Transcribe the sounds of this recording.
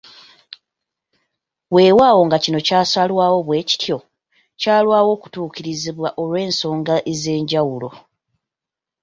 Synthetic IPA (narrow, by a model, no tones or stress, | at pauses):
we̞ːwaːwo̞ŋɡacino̞caːsalwaːwo̞βwe̞ːci̥tʰjo̞ | caːlwaːwo̞ːku̥tuːciɾiziβwaʔo̞lwe̞ːnso̞ːŋɡaʔeze̞ːɲɟawulo̞